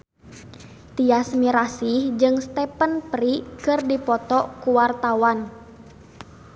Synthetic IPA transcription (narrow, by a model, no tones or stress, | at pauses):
t̪iasmiɾasihd͡ʒɨŋst̪ɛpənpɾikɨrdipɔt̪ɔkuwart̪awan